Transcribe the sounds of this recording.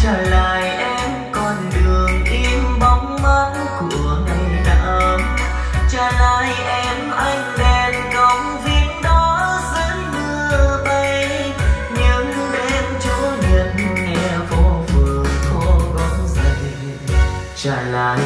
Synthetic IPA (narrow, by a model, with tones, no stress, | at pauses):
t͡ɕəː˧˨˩laː˨˩jʔɛ˧mkɔ˧˩nɗɨ˨˩əŋʔi˧mɓa˨˦wŋ͡mma˨˦n | ku˧˩əŋa˧˩jna̰˧˩m | t͡ɕəː˧˩laː˨˧˩jʔɛ˧mʔa˧jŋ̟ɗɛ˧˩nkə˨˧˦wŋ͡mvi˧˦əŋɗɔ˨˦zə˨˦nɨ˧əʔə˧jj | ɲɨ˨˦ŋɨ˧jʔɛ˧mt͡ɕɔ˨˦ɲə˨˩t̚nŋɛ˧vɔ˨˦vɨ˨˩əkɔ˨˧˦ɣɔ˨˦zə˧˩j | t͡ɕəː˧˩laː˨˩